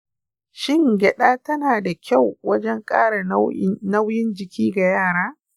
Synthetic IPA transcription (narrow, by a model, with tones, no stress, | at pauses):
ʃɪ˦˨ŋɡʲɛ˨ɗaː˦tɐ˦naː˨da˨kʲa˦˨wwɐ˦d͡ʒɛ˦ŋkʼa̰ː˦ɽa˨nɐ˦wjɪ˦nd͡ʒɪ˨kʲʰiː˦ɡa˨jaː˦˨ɽaː˦